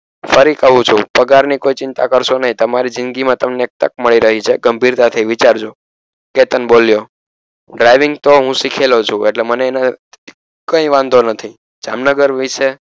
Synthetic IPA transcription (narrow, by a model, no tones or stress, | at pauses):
fəɾikəɦũt͡ʃʰũpəɡaɾnikoit͡ʃɪnt̪akəɾʃonəɦĩt̪əmaɾid͡ʒɪ̃nɡimãt̪əmneek̚t̪ə̰k̚məɭiɾəɦit͡ʃʰeɡəmbʱiɾt̪at̪ʰəiʋit͡ʃaɾd͡ʒo | ket̪ənboljo | ɖɾajʋɪŋɡt̪oɦũsikʰelot͡ʃʰũeʈleməneːna | kəĩʋãnd̪ʱonət̪ʰi | d͡ʒamnəɡəɾʋiʃe